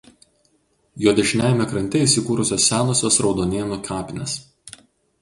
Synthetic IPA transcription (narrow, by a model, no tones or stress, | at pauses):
joːd̪ʲɛʒʲnʲæːˑjmʲɛkɾɐnʲt̪ʲɛiˑsʲɪkuːɾʊsʲoːsːʲæːnoːsʲoːsɾɒʊd̪oːnʲeːnukʰɑːpʲɪnʲḛs